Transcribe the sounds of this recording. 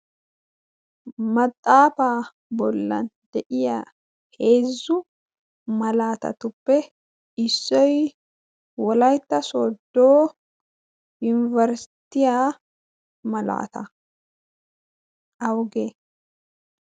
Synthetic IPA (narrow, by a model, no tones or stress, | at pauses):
mɐt̪ʼːaːfaː | bɔlːɐ̰nd̪ɛʔɪja | he̞ːzʊ | mɐlaːt̪ɐ̰t̪ʊpːɛ | ɪsːɔj | wɔlɐjt̪ːɐsod̪ːoː | jʊnɪvɐɾst̪ɪjaː | mɐla̰ːt̪ɐ | ʔɐwɡeː